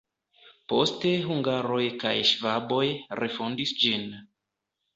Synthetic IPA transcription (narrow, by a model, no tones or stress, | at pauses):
po̞̰ste̞ɦuŋɡaɾo̞jka̰jʃvabo̞jɾʔe̞fondisd͡ʒin